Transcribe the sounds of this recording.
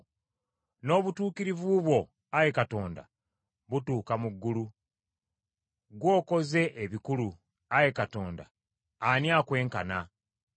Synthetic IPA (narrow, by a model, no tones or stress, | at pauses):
no̞ːβutuːkiɾivuβwo̞ | aje̞kato̞ːnda̰ | βutuːkamuɡːulu | ɡwo̞ːko̞ze̞ʔeβikulu | aje̞kato̞ːnda | anjaːkwe̞ːŋkana